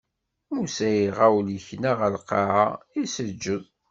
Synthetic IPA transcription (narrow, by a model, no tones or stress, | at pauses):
usæjiʁawliçnaʁəlqɑʕaisəd͡ʒːəð